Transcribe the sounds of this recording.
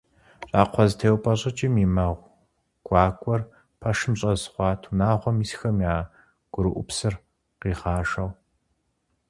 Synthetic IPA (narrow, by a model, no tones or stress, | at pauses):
ɕʼaːqʷʰɔztʰeːwpʼɐɕʼɪt͡ʃʼɪmiːmɐʁʷ | ɡ̥ʷɑːkʷʼɔr | pʰɐʂɨmɕʼɐzχʷɑːtʰunaːʁʷɔmisxɐmjaː | ɡ̥ʷʊɾɨʔʷʊpsɨr | qiːʁaːʂɐw